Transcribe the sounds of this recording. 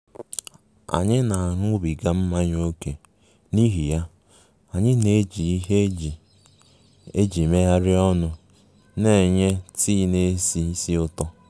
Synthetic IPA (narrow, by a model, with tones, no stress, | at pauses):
a̰˨ɲɪ˦na˨ɦʊ˦bi˨ɡa˦m̩˦ma˦ɲ˦o˦ke˨ | ni˦ɦi˨ja˦ | a˨ɲɪ˦ne˦d͡ʒi˨i˦ɦe˦˨ | e˦d͡ʒi˨me˦ja˦ɾɪ˦ɔ˦nʊ˨ | ne˨ɲe˦tiː˦˨ne˦si˦si˦ʊ˦tɔ˦